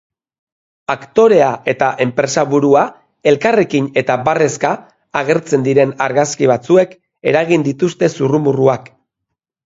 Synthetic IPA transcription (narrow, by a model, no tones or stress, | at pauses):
akt̪o̞ɾe̞ae̞t̪aʔe̞mpɾe̞saβuɾua | e̞lkare̞kine̞t̪abare̞skaː | ɣ̞e̞ɾt͡se̞nd̪iɾe̞naɾɣaskiβ̞at͡sue̞k | e̞ɾaɣind̪it̪ust̪e̞surumuruak